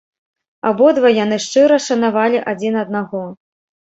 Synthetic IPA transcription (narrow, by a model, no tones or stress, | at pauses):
abɔd̪vɔjan̪ɨʂt͡ʂɨɾɐʂɐnavalʲiʔad͡zʲinɐd̪̚naɣɔ